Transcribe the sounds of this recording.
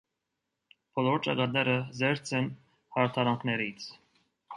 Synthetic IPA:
b̥ɔlɔɾt͡ʃɑ̰ɡɑt̪̚nɛɾəzɛɾt͡sʰɛn | hɑɾt̪ʰɑɾɑŋkʰnɛɾit͡sʰ

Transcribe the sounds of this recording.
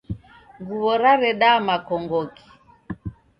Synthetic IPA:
ŋɡuβɔɾaɾɛɗamakɔŋɡɔki̥

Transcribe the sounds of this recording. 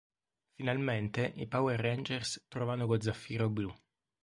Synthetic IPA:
finalment̪eʔipawerend͡ʒerst̪ɾɔvanokod̪zːafːiːɾoblu

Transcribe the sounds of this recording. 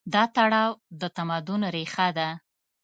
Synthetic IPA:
d̪ɑt̪aɽɑwd̪ət̪amɑd̪ʊnɾexad̪a

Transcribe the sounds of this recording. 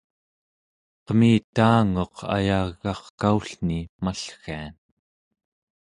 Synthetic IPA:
qəmiːt̪aːŋo̞qʰa̰jaɣːɑχkauɬnimaɬxean

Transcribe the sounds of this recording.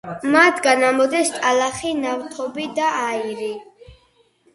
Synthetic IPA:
mat̪ʰɡanamɔd̪ɛst̪ʼalaχinavt̪ʰɔbid̪aaiɾi

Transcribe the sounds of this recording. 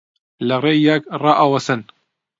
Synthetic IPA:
lɐreːjakrɑːʔawɐsɨn

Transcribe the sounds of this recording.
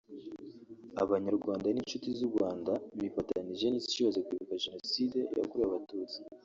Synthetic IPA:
a̰βaɲaɾɡwaːndaninʃutizuɾɡwaːndamifataaniʒe̞niːzi̥t͡ʃuβazekwiːβukaʒe̞no̞side̞̰ja̰kuɾijaβatuːt͡si̥

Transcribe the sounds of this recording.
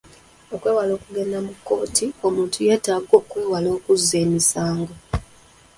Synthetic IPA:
o̞kwe̞ːwalo̞ːkuɡe̞namukːo̞ːtʰio̞muːntuje̞ːtaːɡo̞ːkweːwalo̞ːkuze̞ːmisaːŋɡo

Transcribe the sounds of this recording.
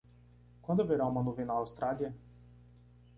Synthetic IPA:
kwə̃nd̪oveɾawmɐnuvinɐːwst̪ɾaliɐ

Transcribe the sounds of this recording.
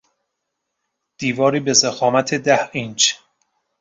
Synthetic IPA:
d̪̥iːvɒːɾiːbezexɒːmæt̪ʰed̪æhint͡ʃ

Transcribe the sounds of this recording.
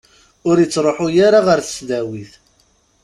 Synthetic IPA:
ʊɾjət͡sːɾˤoħʊjaɾaʁəɾθə̥sðæwiθ

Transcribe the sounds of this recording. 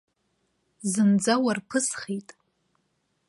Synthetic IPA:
zɨnd͡zawarpʰɨsχijtʼ

